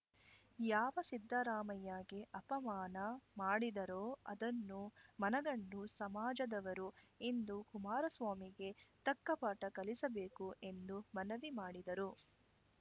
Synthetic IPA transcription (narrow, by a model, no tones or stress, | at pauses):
jaːʋɐsid̪ʱːɐɾaːmɐjaːɡeʔɐpɐmaːnɐmaːɽid̪ɐɾoːɐ̰d̪ɐnːumɐnɐɡɐnːusɐmaːd͡ʒɐd̪ɐʋɐɾue̞nd̪ukumaːɾɐsʋaːmiɡe̞t̪ɐkːɐpaːʈɐkɐlisɐbe̞ːkuʔe̞nd̪umɐnɐʋimaːɽid̪ɐɾu